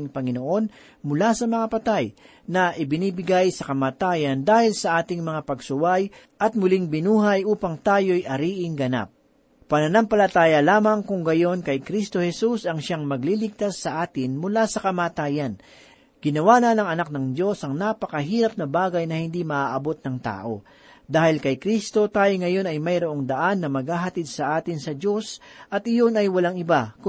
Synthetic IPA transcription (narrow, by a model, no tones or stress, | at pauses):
ŋpɐŋɪnoʔo̞n | mʊlasɐmɐŋapɐt̪aj | nɐʔɪbɪniːbɪɡajsɐkɐmaːt̪aːjɐnd̪aːhɪlsɐʔaːt̪ɪŋmɐŋapɐɡsʊwaj | ʔɐt̪̚mʊliŋbɪnuːɦɐjʔuːpɐŋt̪aːjo̞jʔɐɾiːʔɪŋɡɐna̰p̚ː | ɐnɐnampɐlɐt̪aːjɐlaːmɐŋkʊŋɡɐjo̞nkɐjkɾist̪o̞hɛsusɐŋʃaŋmɐɡlilɪɡ̚t̪asːɐʔaːt̪ɪnmʊlasɐkɐmaːt̪aːjɐn | ɡ̥ɪnɐwaːnanɐŋɐnak̚nɐŋd̪jo̞sʔɐŋnapɐkɐɦiːɾɐp̚nɐbaːɡɐjnɐhɪnd̪imɐʔaʔɐbo̞t̪̚nɐŋt̪a̰ːʔo̞̰ | d̪aːhɪlkɐjkɾist̪o̞t̪aːjoŋɐjo̞nɐjmɐjɾoʔoŋd̪ɐʔanːɐmɐɡ̚haːɦɐt̪id̪sɐʔaːt̪ɪnsɐd̪jo̞sʔɐt̪ɪjo̞nɐjwɐlaŋɪbak